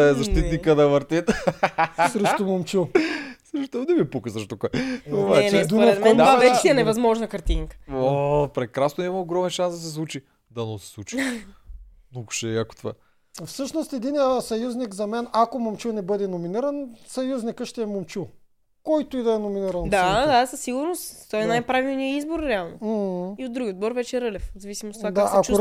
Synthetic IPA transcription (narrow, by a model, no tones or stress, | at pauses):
ɛzɐʃt̪it̪nikəd̪ɐvəɾt̪it̪ | sɾɛʃt̪omomt͡ʃilˠsɾɛʃt̪od̪ɛmipukəsəɾʃt̪okɔjobat͡ʃɛd̪uɛkoaɛt͡ʃiɛnɛvɐzmɔʒnɐkɐɾt̪iŋkə̥opɾɛkɾasnoimɐoɡɾɔmɛnʃãsd̪ɐsɛsvut͡ʃi | d̪ɐnosi̥sˠut͡ʃi̥ | nnɔɡʊ̥ʃɛɐkot̪ova̰ | fsɤʃnost̪ɛd̪inijəsɐjuznikzɐmɛnakomomt͡ʃunɛbɤd̪ɛnominiɾɐnsɐjuznikəʃt̪ɛɛmomt͡ʃu | kɔjt̪ʊid̪ɐɛnominiɾɐnd̪ad̪asɐsːiɡʊɾnost̪t̪ɔɛnajpɾavilˠnijəizboɾɾɛalˠnom̩hiod̪ɾuɡʲiod̪̚bɔɾvɛt͡ʃɛɾɤlʲɛfzɐvisimost̪ovak̪aakɛakt͡ʃu